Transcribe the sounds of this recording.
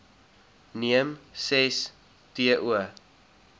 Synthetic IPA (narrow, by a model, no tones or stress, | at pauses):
niəmsɛs | tiəʔuə